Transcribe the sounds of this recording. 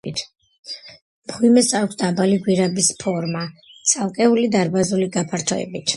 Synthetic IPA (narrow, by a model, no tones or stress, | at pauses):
t̪ʰ | mʁwimɛsakʷʰsd̪abaliɡwiɾabispʰɔɾmat̪sʰalˠkʼɛulid̪aɾbazuliɡapʰaɾt̪ʰɔɛ̰bit̪ʰ